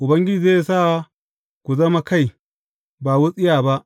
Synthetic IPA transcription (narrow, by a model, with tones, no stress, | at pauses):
ʔʊ˨bɐ˦ŋɡʲɪ˦d͡ʒiː˨zeː˦jsa˦˨ | kʷu˨zɐ˦ma˦ka˦˨j | ba˨wu˦sʼɪ˦jaː˨ba˦ʔ